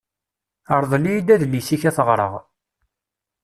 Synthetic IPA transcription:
əɾˤðˤlijid̪æðlːisiçæθəʁɾˤə̰ʁ

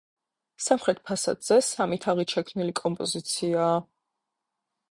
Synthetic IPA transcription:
samχɾɛt̪̚ʰpʰasa̰d̪z̥ɛsamit̪ʰaʁiʃʰɛkʰmnilikʼɔmpʼɔzit̪sʰiaː

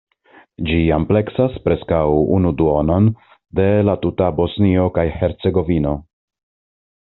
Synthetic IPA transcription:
d͡ʒiample̞ksaspɾe̞skawṵnuduo̞non | de̞latutabo̞snio̞kajhe̞ɾt͡se̞ɡo̞vino̞

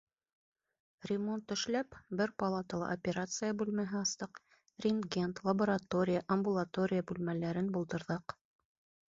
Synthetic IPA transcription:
rʲɪmo̞nt̪ːɵ̆ʃlæpbɘɾpɐlˠat̪əlˠɑ̰ʔɐpʲeɾat̪sɨjəbʉlmæɦɘɑst̪ɤq | rʲɪnɡʲent̪lˠɐboɾɐt̪o̞ɾʲɪjəʔɐmbulˠat̪o̞ɾʲɪjəbʉlmælæɾɘnbulˠt̪ɤ̆ɾðɤq

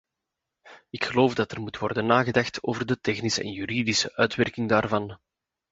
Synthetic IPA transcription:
ɪkxəloːfdɑtərmutwɔrdənːaːɣədɑxtʰoːvərdətɛxnisə̰ʔɛ̰njɦyɾidisəʔœːtʋɛrkɪŋdaːrvɑn

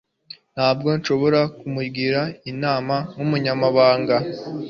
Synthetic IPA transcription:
n̥haːbɡo̞nʃo̞βo̞ɾakumuɾɡiɾainaːmanumuɲamaβaːŋɡa

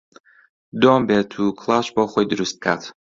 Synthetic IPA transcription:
d̪ɔmbɛt̪ʰukʰlˠaʃbaχʷɔjd̪ɾust̪̚kʰat̪ʰ

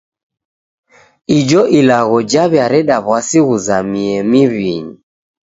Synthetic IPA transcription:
id͡ʒɔʔilaɣɔd͡ʒaβjaɾɛɗaβwasiɣuzamiɛmiβiɲi

